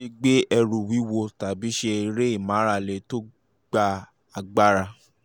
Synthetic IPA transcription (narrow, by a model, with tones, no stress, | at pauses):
i˦ɡ͡be˦ɛ˧ɾu˨wi˨˦wo˧ta˨bi˨˦ʃe˧i˧ɾe˦i˦˨mã˨˦ɾa˦˨le˨˧to˦ | ɡ͡ba˧ | a˨˧ɡ͡ba˦ɾa˧